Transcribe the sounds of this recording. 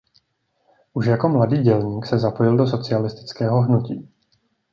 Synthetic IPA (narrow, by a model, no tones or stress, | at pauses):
ʔuʃjako̞mladiːɟɛlɲiːksɛzapo̞jɪldo̞s̬o̞t͡sɪalɪst̪ɪ̥t͡skɛːɦo̞ɦnucḭː